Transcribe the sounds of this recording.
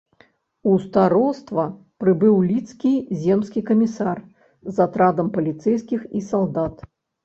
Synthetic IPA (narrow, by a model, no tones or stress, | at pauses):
ust̪aɾɔst̪vɐ | pɾɨbɨwlʲit̪skʲizʲɛmskʲikɐmʲisar | zat̪ɾad̪ɐmpɐlʲit̪sɛjskʲixisalˠd̪at̪